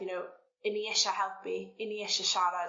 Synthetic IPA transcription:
jənow | ɪniɛʃahɛlˠpʰiɪniɛʃaʃaɾa

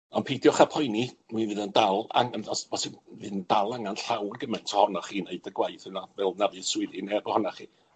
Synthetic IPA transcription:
ɔnpʰejdjɔχapʰɔjniminvɨðəndalˠa̰ŋənɔsvɔsɪvɨːðənd̥alˠaŋanɬawrɡəmɛntʰɔhɔnaχiːneɨdəɡwajθhənavɛlˠnavɨswɪðɨnɛbɔhɔnaχiː

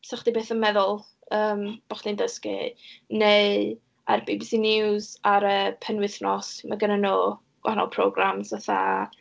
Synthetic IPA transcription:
saχd̥ibeːθənmɛðʊlˠ | əːmb̥ɔχd̥indəskḭneɨ | a̰rbibsinɪwzaɾəpʰənwɪθnɔsmaɡənanoː | ɡ̥wa̰anɔ̰lˠpʰro̰ɡramzvaθa̰

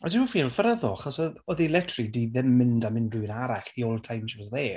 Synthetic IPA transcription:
adɪnməfiːlˠfəɾəðɔaχɔsɔɔðilɛtʰridiðɪmːɪndamɪndrɨɪnaɾaχðiolˠtʰajmʃəwɔzðɛː

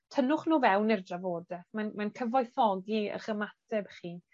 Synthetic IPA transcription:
tʰənʊχnuːvɛwnɪrdravoːdɛmanmankʰəvɔjθɔɡiə̰χəmatʰɛbχiː

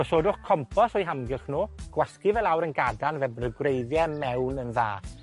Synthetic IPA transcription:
ɔsoːdʊχkʰːɔmpʰɔsɔjɦamɡɪχnoːɡ̥wɛskɪvɛlˠawɾənɡadanvɛbɾəɡwrejðjɛmɛwnənða̰ː

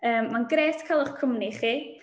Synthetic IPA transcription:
əːmːanɡɾeːtkʰəlˠʊχkʰəmniχiː

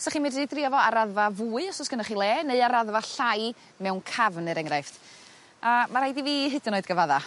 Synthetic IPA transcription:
saχimɪdidriɔvɔaɾaðvavuːɨɔsɔsɡ̥ənaχilˠɛːneðɨaɾaðvaɬaj | mɛwnkʰavnɨɾɛŋɾajft | amaɾajdiviːɦɨdɪnoːɨdɡəvaða

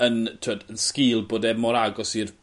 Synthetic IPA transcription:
əntʰoːdənskɪːlˠboːdɛmɔɾaɡɔsir

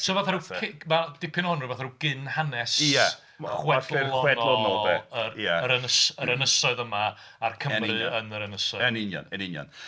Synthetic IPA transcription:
sʰɔvaθaɾukʰmad̥ɪpʰɪnhɔnrɨvaθaɾuɡ̥ɪnhanɛsa | χwɛɛdɪɔwɛdnlɔnɔlˠdɛəjaəɾənəsəɾənəsɔɨðəmaː | rkʰəmrɨənəɾənəsɔɛnɪnjɔ̰nɛnɪnjɔ̰n

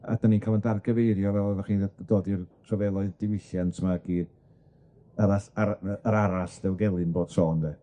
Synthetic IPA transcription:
a̰d̥anikʰalˠəndarɡəveɨɾjɔvɛlˠvaχiːnd̥oːdirtʰrɔvɛlˠɔɨðdɪwɪɬjantʰmaɡ̥iːd | aɾasaɾəɾaɾasdɛwɡɛlˠɨnboːd̥soːndɛ

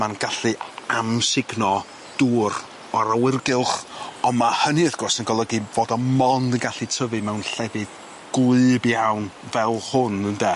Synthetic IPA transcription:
manɡ̥aɬɨamsɪɡnɔ | d̥uːɾ | ɔɾawɪrɡɪlˠχɔnmahəniəθɡ̥rɔsənɡɔlˠəɡivoːdɔmɔndənɡaɬɨtʰəvɨmɛwnɬɛvɨd | ɡ̥wɨːbjawnvɛlˠhʊnəndɛ

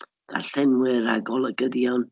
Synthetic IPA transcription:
d̥a̰ɬɛnwɪɾa̰ɡɔlˠəɡədjɔwn

